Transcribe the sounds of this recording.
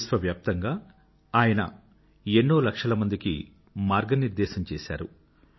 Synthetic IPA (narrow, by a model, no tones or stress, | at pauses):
sʋɐʋjaːp̚t̪ɐŋɡaː | aːjɐnɐ̰ | e̞ɳːoːlɐkʂɐlɐmɐnd̪ikḭ | maːɾɡɐniɾd̪ɛːʃɐmt͡ʃeːsa̰ːɾu